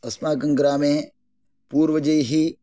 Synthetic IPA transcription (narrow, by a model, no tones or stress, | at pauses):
ɐsmaːk̬ɐ̃ŋɡɾaːmẽː | puːɾʋəd͡ʒəjɦiː